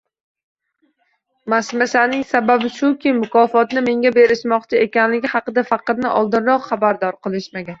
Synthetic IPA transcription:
masmasanɪŋsababɪʃʊkʲɪmʊkʰɒfɒt̪nɪme̞ŋɡʲabe̞ɾɪʃmɒqt͡ʃʰɪe̞kʲanlɪɡʲɪhɑqɨd̪afɑqɑt̪nɪʔɒlˠd̪ɪnɾɒqχabaɾd̪ɒɾqʰɨlˠɪʃmaɡʲan

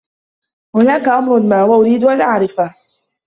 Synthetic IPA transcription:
hʊnaːkaʔamɾʊnmaːhʊwaʔʊɾiːd̪ʊʔanʔaʕɾɪfa

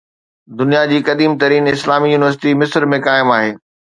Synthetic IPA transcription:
d̪ʊnijad͡ʑiːkɐd̪iːmt̪ɐɾiːnɪslaːmijuːnɪʋəɾs̬ɪʈimɪsɾmẽkaːɪmaːɦeː

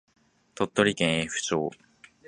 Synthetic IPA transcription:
t̪ot̪ːo̞ɾʲikẽɰ̃eɸɯ̟̥t͡ɕo̰ː

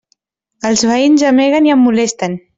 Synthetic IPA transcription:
əlˠzβəinzəmeɣəniəmːulest̪ən

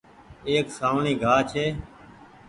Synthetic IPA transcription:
eːksaːʋɳĩːɡʱaːt͡ʃʰeː

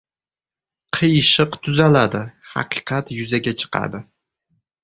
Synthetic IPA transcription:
qʰɨjʃɨqt̪ʰʊzalad̪ɪhɑ̰qʰɨ̥qʰɑt̪jʊzaɡʲat͡ʃʰɨ̥qʰɑ̰d̪ɪ

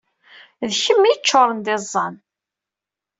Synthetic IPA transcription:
ðçəmːiət͡ʃːoɾˤənd̪ezˤːɑn

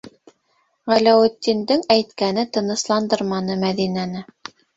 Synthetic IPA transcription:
ʁælæwɘt̪ːind̪ɘŋæjt̪kænɘt̪ɤ̆nɤ̆slˠɑnd̪ɤɾmɑnɤmæðinænɘ

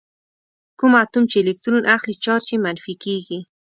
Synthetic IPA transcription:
kʊmat̪ʊmt͡ʃɪlɪk̚t̪ɾunʔaxlɪt͡ʃɑɾt͡ʃɪmanfikikɪ

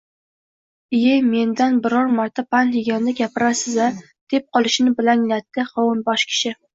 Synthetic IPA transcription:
ɪjeme̞nd̪anbɪɾɒɾmaɾt̪ʰapʰanheɡʲand̪aɡʲapɪɾasɪza | d̪̥e̞p̚qʰɒlˠɪʃnɪbɪlaŋlat̪ːɪχɒwʊnbɒʃkʲʰɪ̥ʃɪ

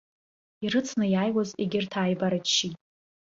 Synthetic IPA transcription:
irɨt͡sʰnɨjaːjwazeɡʲɪrtʰaːjbaɾaʃitʼ

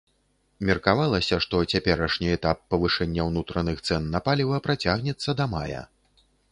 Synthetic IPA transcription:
mʲɛrkavalˠɐsʲɐʂt̪ɔt͡sʲapʲɛɾɐʂnʲiɛt̪apːɐvɨʂɛnʲːɐwnut̪ɾɐnɨxt̪sɛnːɐpalʲivɐpɾat͡sʲaɣnʲɛt̪sːɐd̪ɐma̰jɐ̰

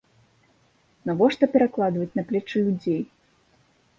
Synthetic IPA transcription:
navɔʂt̪ɔpʲɛɾaklˠad̪vɐt͡sʲnaplʲɛt͡ʂɨlʲud͡zʲej

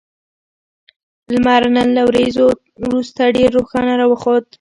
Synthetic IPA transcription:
lmɑɾnanlawɾezo | wɾust̪aɖeɾːoxɑnaɾɑwəxod̪

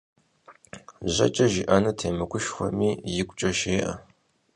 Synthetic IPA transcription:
ʑɐ̰t͡ʃʼɐʒiʔanɐtʰeːmɐkʷʰʊʃxʷɔ̰miːjɪkʷʼt͡ʃʼɐʃeːʔɐ̰

